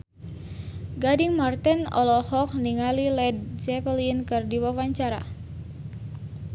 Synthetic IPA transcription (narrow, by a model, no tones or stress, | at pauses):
ɡadiŋmart̪ɛnɔ̰lɔhɔk̚niŋalilɛd̚d͡ʒɛpəliənkɨrdiwawaɲt͡ʃaɾa̰